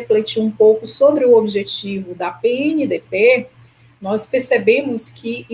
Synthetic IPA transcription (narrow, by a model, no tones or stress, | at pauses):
eflet͡ʃiɾũpowkʊsobɾɪuobiʒet͡ʃivʊd̪ɐpeẽnid̪epe | nɔspeɾsebẽmʊskɪ